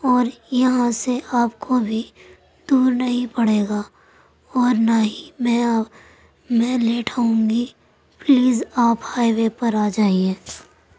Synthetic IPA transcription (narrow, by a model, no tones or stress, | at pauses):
ɔːɾjɐɦãseʔaːpkʰobʱi | d̪uːɾnɐɦĩpɐɽ̤eːɡaː | ɔːɾnaːɦimɛ̃ | mɛ̃ːleːʈʰaũŋɡi | pliːzaːphaːiwepɐɾaːd͡ʒaːiẽː